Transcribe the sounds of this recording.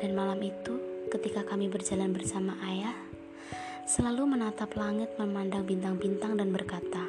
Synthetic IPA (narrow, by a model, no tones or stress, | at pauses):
danmalamit̪ukət̪ikakamibərd͡ʒalanbərsamaʔajah | səlalumənat̪aplaŋɪt̪̚məmandaŋbint̪aŋbint̪aŋdanbərkat̪a